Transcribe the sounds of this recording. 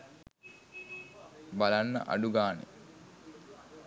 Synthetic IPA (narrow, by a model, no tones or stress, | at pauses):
balanːə̰ʔa̰ɖuɡaːnḛ